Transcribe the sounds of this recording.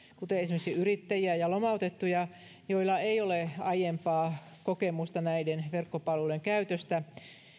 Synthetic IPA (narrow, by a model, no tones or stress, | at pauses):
kut̪eesimeksiyrit̪ːæjiæjɑlomɑut̪et̪ːujɑ | joilːɑeioleɑjempɑː | kokemust̪ɑnæidenʋerkːopɑluleŋkæyt̪øst̪æ